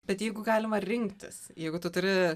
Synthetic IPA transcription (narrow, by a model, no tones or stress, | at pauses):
b̥ʲɛt̪jɛɪɡʊɡɑːlʲɪmɐɾʲɪŋkt̪ʲɪ̰sjɛɪɡʊt̪ʊt̪ʊɾʲɪ